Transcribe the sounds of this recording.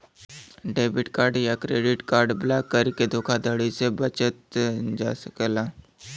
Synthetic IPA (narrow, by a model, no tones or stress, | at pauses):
ɖeːbɪʈkaːɾɖjakɾeːɖɪʈkaːɾɖblaːkːəɾked̪ʱoːkʰad̪əɽisebət͡ʃət̪̚d͡ʒa̰ːsə̥klaː